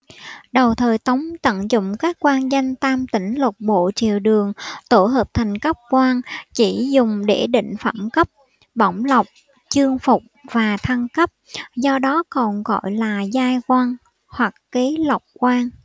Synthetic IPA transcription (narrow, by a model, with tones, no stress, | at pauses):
ɗə˨˩wt̪ʰəː˨˩jt̪ə˨˦wŋ͡mt̪ə̰˧˨nzʊ̰˧˨ŋ͡mkaː˦˥kkwaː˧nzə˧jŋ̟t̪aː˧mt̪ï˧˩ŋ̟lə˨˩k͡p̚ɓo̰˧˨t͡ɕḭ˨˩əwɗɨ˨˩əŋt̪o˧˩ɦəː˨˩p̚t̪ʰa˨˩jŋ̟kə˦˥p̚kwaː˧nt͡ɕi˧˩zʊ˨˩ŋ͡mɗe˧˩ɗḭ̈˧˨ŋ̟fə̰˧˩mkə˦˥p̚ | ɓa˧˩wŋ͡mla˨˩wk͡p̚ | t͡ɕɨ˧əŋfʊ˨˩k͡p̚vaː˨˩t̪ʰa˧ŋkə˦˥p̚zɔ˧ɗɔ˨˦kɔ˨˩nɣɔ̰˧˨jlaː˨˩zaː˧jkwaː˧n | hwa˨˩k̚ke˨˦la˨˩wk͡p̚kwaː˧ŋ